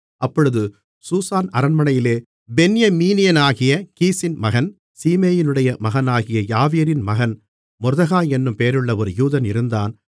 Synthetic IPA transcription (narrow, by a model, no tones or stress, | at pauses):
ʔɐpːɔɻɯðɯ | suːsaːnɐɾɐnmɐnɐjɪleː | bɛnɪjɐmiːnɪjɐnaːɣɪjɐkiːsɪnmɐɣɐn | siːmeːjɪnɯɽɐjɐmɐɣɐnaːɣɪjɐjaːʋijɐɾɪnmɐɣɐn | mɔɾðɐɣaːɛnːɯmpeːɾɯɭːɐɔɾɯjuːðɐnɪɾɯnd̪aːn